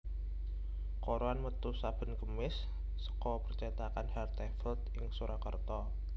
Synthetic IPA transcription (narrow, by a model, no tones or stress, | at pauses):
koɾoanmət̪usab̥ə̤nkəmɪsː | ə̥kɔpərt͡ʃat̪akanhɛrt̪ɛfəlt̪ɪŋsuɾakərt̪ɔ